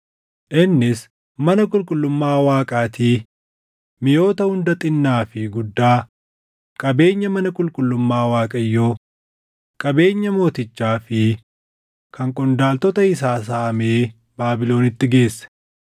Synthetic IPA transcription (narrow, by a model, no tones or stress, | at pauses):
ʔɪnːɪs | mɐnɐkʼʊlkʼʊlːʊmːaːwaːkʼaːt̪iː | mɪjo̞ːt̪ɐhʊnd̪ɐt̪ʼɪnːaːfɪɡʊd̪ːaː | kʼɐbe̞ːɲːɐmɐnɐkʼʊlkʼʊlːʊmːaːwaːkʼɐjːo̞ː | kʼɐbe̞ːɲːɐmo̞ːt̪ɪt͡ʃːaːfɪ | kɐŋkʼʊnd̪aːlt̪ɔt̪ɐɪsaːs̬aːʔɐme̞ː | baːbɪlo̞ːnɪt̪ːɪɡe̞ːsːɛ̥